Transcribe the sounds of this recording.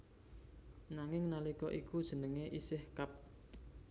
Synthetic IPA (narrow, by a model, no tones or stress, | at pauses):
naŋɪŋnalikɔʔikud̥ʒ̥ə̤nəŋeʔisɪhkap̚